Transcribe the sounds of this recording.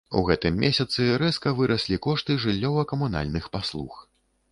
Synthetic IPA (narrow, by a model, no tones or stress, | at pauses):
ṵɣɛt̪ɨmːʲesʲɐt̪sɨɾɛskɐvɨɾʔɐsʲlʲikɔʂt̪ɨʐɨlʲːɔvɐkɐmuna̰lʲnɨxpaslˠṵx